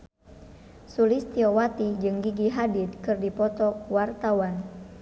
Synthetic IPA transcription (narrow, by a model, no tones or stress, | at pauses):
sulist̪iɔwat̪id͡ʒɨŋɡiɡiɦadit̪̚kɨrdipɔt̪ɔwart̪awan